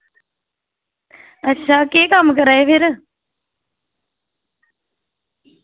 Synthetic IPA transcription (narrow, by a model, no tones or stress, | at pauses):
ɐtːɕʰaːkeːkamk̬əɾaɦeʋeɾ